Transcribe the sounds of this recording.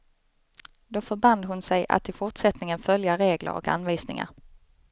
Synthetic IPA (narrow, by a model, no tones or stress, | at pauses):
d̪oːfœɾband̪ɦʊnsɛjʔa̰t̪ʰːɪlfʊʈsɛt̪nɪŋənfœljaɾeːɡlə̰ɾɔ̰ka̰nviːsnɪ̰ŋa̰ɾ